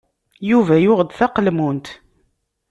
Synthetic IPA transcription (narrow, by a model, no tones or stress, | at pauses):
juvæjʊʁd̪θæqəlmunt̪